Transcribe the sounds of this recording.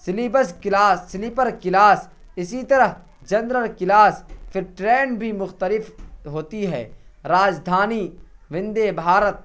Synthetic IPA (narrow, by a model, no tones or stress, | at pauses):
sɪlibəskɪlaːsːɪlɪpəɾkɪlaːs | ɪsit̪ɐɾəɦ | d͡ʒɐnɾəlkɪlaːsfʰɪɾʈɾeːnbʱimʊxt̪əlɪfɦoːt̪iɦɛ̰ːɾaːd͡ʒd̪ʱaːniːʋɪ̃nd̪ebʱaːɾət̪̚